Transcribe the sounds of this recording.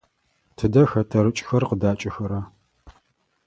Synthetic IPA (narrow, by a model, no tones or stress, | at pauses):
tʰɨdɐxɐtʰɐɾɨt͡ʃʼxɐrqədaːt͡ʃʼɪxɐɾɐ